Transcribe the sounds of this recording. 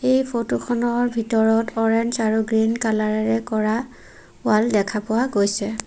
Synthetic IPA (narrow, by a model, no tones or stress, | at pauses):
ejpʰotokʰɔnɔɹbʱitɔɹɔtʰɔɹɛnd͡ʒaɹuɡɹinkalaɹɛɹɛkɔɹa | waldɛkʰapʊwaɡojsɛ